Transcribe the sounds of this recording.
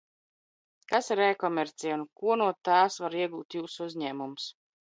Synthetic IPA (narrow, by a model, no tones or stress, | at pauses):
kasɾɛːkɔmʲɛɾt̪sijunkuɔnuɔt̪aːsvaɾiɛɡuːt̪juːsuzɲɛːmums